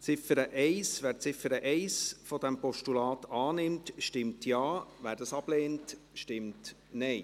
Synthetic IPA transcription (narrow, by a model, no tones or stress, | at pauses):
t͡sɪfəɾəʔɛɪsʋæːɾt͡sɪfəɾəʔɛɪsfɔd̥ɛmpɔʃtulɑːtɑːnɪmtʃtɪmtʰjɑːʋæːɾdɑsɑb̥leːnt | ʃtɪmt | nɛɪ